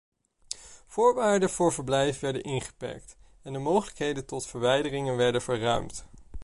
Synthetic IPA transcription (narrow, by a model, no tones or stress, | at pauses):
v̥ʊːɹʋaːɹdənvʊːɹvəɹblɛjfʋɛɹdə̰nʔɪnχə̥pɛ̰ɹkt | ɛndəmowχələkɦejdəntɔtfəɹʋɛjdərɪŋənʋɛɹdənvəɹrœ̰ɥmt